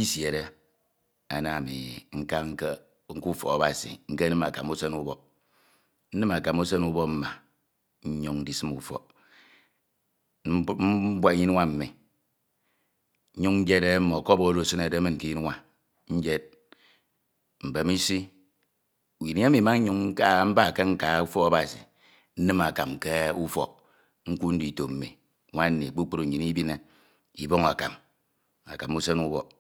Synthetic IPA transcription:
i˦sje˨ɾe˦ | a̰˨na˨mḭ˨ŋ̩˦ka˦ŋ̩˦ke˦ | ŋ̩˦ku˦fɔ̰˨a˨ba˨sḭ˨ŋ̩˦ke˦nɨ˦ma˨ka˨mu˦se˦nu˦bɔ˦ | n̩˦nɨ˦ma˨ka˨mu˦se˦nu˦bɔ˦m̩˦ma˨ | ɲ̩˦ɲu˦ŋn˦di˨sɨ˦mu˨fɔ̰˨˦ | bwa˦ɲi˦n˦wa˦m̩˦mi˨˦ | ɲu˦ŋn̩˦d͡ʒe˦ɾe˦m̩˦mɔ˨kɔ˦bo˦do˦˨si˦ne˨de˦mi˦ŋ̩˨ki˨˦ji˦n˦wʷa˦ | ɲ̩˦d͡ʒe˦t̚ | m̩˨be˨mi˦si˦ | u˨ji˨n˦a˦mi˨ma˦u˦ŋ̩˦ka˦m̩˦ba˦˨ke˦ŋ̩˦ka˨˦u˦fɔ˦ka˦ba˨sḭ˨ | n̩˦nɨ˦ma˨ka˨mke˦u˦fɔ̰˦k̚ | ŋ̩˦ku˦n̩˦di˨to˨m̩˨mḭ˨˦ | wa˦n̩˦nːḭ˨k͡pu˦k͡po˦ɾu˨ɲi˨ni˦bi˦ne˦ | i˨bo˦ŋa̰˨ka̰˨m | a̰˨ka˨mu˦se˦nu˦bɔ̰˨

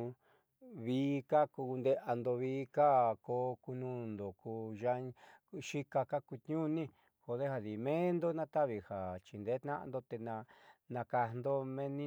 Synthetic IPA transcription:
βiː˦ka˦ku˧nd̪e˦ʔa˧nd̪o˧βiː˦ka˦ko˧ku˧nũ˧nd̪o˨ku˧ʒa˧˦ʃi˦ka˧ka˦ku˧t̪ɲũ˦nĩ˦ | ho˧ðe˦ha˧ði˨mẽ˦nd̪o˦nã˦t̪a˦βi˧ha˨t͡ʃi˨nd̪e˨˦t̪nã̰˦ʔã̰˧nd̪o˧t̪e˧nã˧nã˧ka˧nd̪o˦mẽ˦nĩ˦

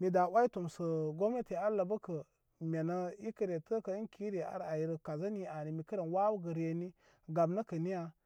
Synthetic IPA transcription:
mi˨da˨wa˦i˦to˨msə˨ɡo˦m˦e˦te˨a˦la˨bə˦kə˨ | mʲe˨nə˦i˦kə˨ɾe˨tə˦kə˨i˦ki˦ɾe˨a̰˨ɾa˨ji˨˦ɾə˨ka˨za˦ni˦a˨ni˨mi˨kə˦ɾe˨nwa˦wu˦ɡə˨ɾe˨ni˦ | ɡa˨bnə˦kə˨ni˦ja˨

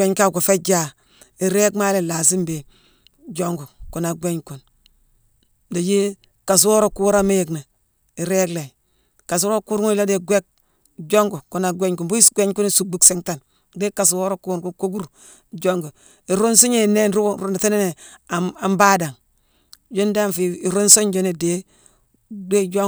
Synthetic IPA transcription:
e˦ɲka˦˨ɡo˨fe˦d͡ʒa˦ | i˨ɾe˦kma˦le˨la˨s̬i˦mbe˨ | d͡ʒo˦ŋɡu˨ku˨na˨ɡʷe˦ɲku˨n | da˨ji˦ | ka˨s̬wo˦ɾo˦ku˦wɾa˦me˦je˨kna˨ | i˨ɾe˦kle˨ | ka˨s̬wo˦ɾo˦ku˦ɾu˦i˦la˦de˦ɡʷe˦k̚ | d͡ʒo˦ŋɡu˨ku˨na˨ɡʷe˦ɲku˨nbu˦i˦sɡʷe˦ɲku˦ni˦su˨bu˦kse˦ŋta˨n | de˦ka˨s̬wo˦ɾo˦ku˦˨ku˦ku˦ɡu˦ɾ | d͡ʒo˦ŋɡu˨ | i˨ɾo˦nsu˦ɲe˨ne˦nɾu˦˨ɾu˦na˨ta˦ne˦ne˨a˨mba˦da˨ŋ | d͡ʒo˦nde˦a˦nfi˨i˨ɾo˦nso˦ɲd͡ʒo˦ne˨de˦ | ɡe˦d͡ʒo˦

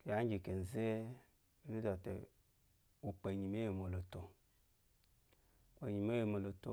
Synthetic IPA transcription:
kja˦d͡ʒi˨ke˨n̩˨ze˦ | e˨ni˦do˨tḛ˨ | wo˨k͡pe˨ɲi˨me˦je˨mo˨lo˨to˨ | k͡pe˨ɲi˨m˦e˦je˨mo˨lo˨to˨

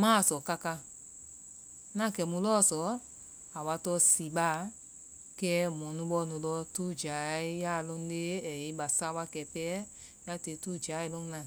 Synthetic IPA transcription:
mãː˦˨sɔ˨ka˧ka˧ | nã˦˨kɛ˨mũ˧lɔː˦˨sɔ˨˦ | a˨wa˧tɔ˧˦si˨ɓa˦˨ | kɛ˦mɔ̃˨nũ˧˦ɓɔ˧˦nũ˨lɔ˧˦tu˦d͡ʒa˨i˦ja˦˨lɔ̃˧n˦le˦ɛ˨i˧˦ɓa˨sa˧˦wa˧kɛ˨pɛː˦ | ja˦te˨tu˦˨d͡ʒa˨˦i˦lɔ̃˧n˦nã˨

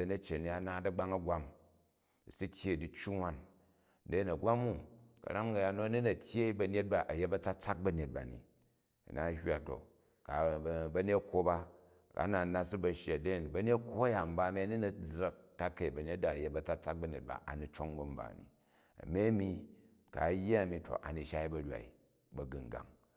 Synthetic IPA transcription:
ɐ˨nɐ˦t͡ʃːe˨ni˨˦a˨naː˦dɐ˦ɡ͡ba˦ŋɐ˦ɡʷa˦m˨ | si˦tʲje˦˨di˦t͡ʃːu˦ŋʷ˦a˦n | de˦˨nɐ˨ɡʷa˦mu˦kɐ̰˨ɾa˦ŋ˦ɡɐ˨ja˨no˦ɐ˦ni˦nɐ˨tʲje˦bɐ˧ne˦t̚ba˦ʔɐ˨je˦bɐ˦t͡sa˦t͡sa˦k̚bɐ˦n˨e˨t̚ba̰˨nḭ˨ | ɐ̰˨na̰˨˦ha˨k̚do̰˨ | ka̰˨˦bɐ˦ne˦tkʰʷo˦ba˦˨ | ka̰˦na˨na˦si˦bɐ˨ʃje˨de˦˨nbɐ˦ne˦kʰʷo˦ɐ˦ja˨m̩˨˦ba˦mi˦ɐ˦ni˦nɐ˨d͡zɾɐ˦k̚ta˦ke˨i˨bɐ˨ne˦t̚da˨ɐ˨je˦bɐ˨t͡sa˦t͡sa˦k̚bɐ˦nʲe˨t̚ba̰˨ʔa̰˨ni˨t͡ʃo˦ŋbɐ˦m̩˦ba̰˨nḭ˨ | ɐ̰˨me˦mi˦ | ka̰˨˦jːa˦ɐ˨mi˨to̰˨ʔa̰˨ni˨ʃa˦i˦bɐ˨ɾʲa̰˨ḭ˨ | bɐ˨ɡɨ˨ŋ˨ɡa̰˨ŋ

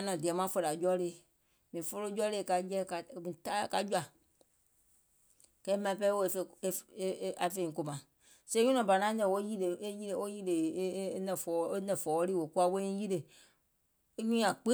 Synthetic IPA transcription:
a˨˦nɔ̃˨di˨ɛ˨mã˦fo˧ɾa˨d͡ʒɔ˦le˨ | mĩ˨fo˧lo˦d͡ʒɔ˦le˦˨ka˧jɛ˦ka˨mĩ˨ta˦ka˧˦d͡ʒu˦a˨ | kɛ˦mã˧p̬ɛ˦wo˦˧e˨fe˧˨˦a˨fe˦˨ĩ˨ko˧˨mã˨ | se˦ɲũ˦nɔ̃˨ba˨nã˨˦nɛ̃˧˨wo˦ji˦le˨e˦ji˦ɾe˨wo˦ji˦le˨˦nɛ̃˧˨fɔ˨e˦nɛ̃˨fɔː˨˦ɾiː˦wo˨˦ku˦a˧˦wo˦ĩ˦ji˦ɾe˨˦ | ɲũ˦ã˨k͡pe˦

